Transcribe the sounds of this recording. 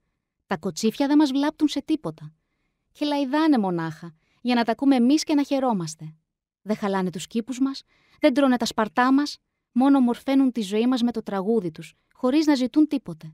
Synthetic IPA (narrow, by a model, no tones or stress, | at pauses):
t̪ɐko̞t͡sifçɐðe̞mɐzvlɐp̚t̪unse̞t̪ipo̞t̪ɐ | ce̞lɐiðɐne̞mo̞nɐxɐ | ʝɐnɐt̪ɐkume̞ːmisce̞nɐçe̞ɾo̞mɐst̪e̞ | ðexɐlɐnet̪uscipuzmɐs | ðe̞nd̪ɾone̞t̪ɐspɐɾt̪ɐmɐs | mo̞no̞mo̞ɾfe̞nunt̪izo̞imɐzme̞t̪o̞t̪ɾɐɣuðit̪us | xo̞ɾiznɐzit̪unt̪ipo̞t̪e̞